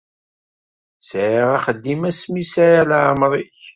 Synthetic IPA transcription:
sʕiʁaχəd̪ːimæsmisajalʕmɾˤiç

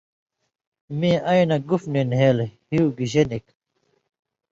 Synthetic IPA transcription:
mĩːʔɐjnɐɡufninɦeːlhiuɡiʑenik

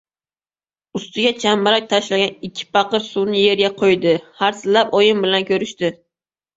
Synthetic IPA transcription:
ʊst̪ɪɡʲat͡ʃʰamːaɾak̚ʲt̪ʰaʃlaɡʲanɪkʲʰːɪ̥pɑqɨɾsunɪje̞ɾɡʲaqʰojd̪ɪhaɾsɪlapɒjɪmbɪlankʲʰɵɾɪʃt̪ɪ

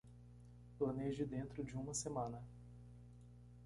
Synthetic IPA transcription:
plɐned͡ʒɪd̪ẽnt̪ɾʊd͡ʒɪũmɐsemɐ̃nɐ

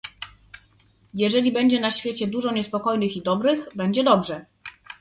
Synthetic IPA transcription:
jɛʐɛlʲibɛɲd͡ʑɛnaɕfʲjet͡ɕɛd̪uʐɔɲɛspɔkɔjnɘxid̪ɔbɾɘxbɛɲd͡ʑɛd̪ɔbʐɛ

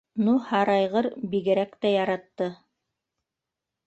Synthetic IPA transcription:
nuhɑɾɑjʁɤɾbiɡɘ̆ɾækt̪æjɑɾɑt̪ːɤ

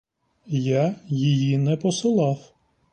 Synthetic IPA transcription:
jajijinɛpɔsɪlˠɑw

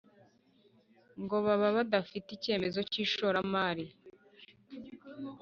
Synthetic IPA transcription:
ŋɡo̞βaβaβadafitice̞ːme̞zo̞ciːʃo̞ɾamaːɾi

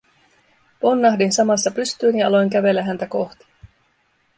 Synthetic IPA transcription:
po̞nːɑhdinsɑmɑsːɑpyst̪yːnjɑɑlo̞jŋk̟æʋe̞lːæɦænt̪æko̞xt̪i̥

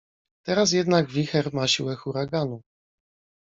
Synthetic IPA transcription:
t̪ɛɾas̬jɛd̪naɡvʲixɛɾmaɕiwɛxuɾaɡanu

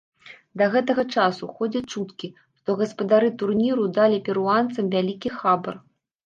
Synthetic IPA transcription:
d̪ɐɣɛt̪ɐɣɐt͡ʂasuxɔd͡zʲɐt͡ʂut̪kʲi | ʂt̪ɔɣɐspɐd̪aɾɨt̪urnʲiɾud̪alʲipʲɛɾuant̪sɐmvʲalʲikʲixabɐr

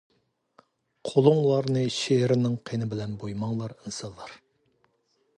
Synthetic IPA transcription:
qʰolˠʊŋlˠɑɾnɨʃeɾɪnɪŋqʰenɪbɪlɛnbojmɑŋlˠɑɾinsɑnlːˠɑɾ

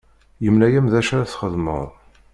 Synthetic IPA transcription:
jəmlæjæmðæʃaɾæθχəðmə̰ðˤ

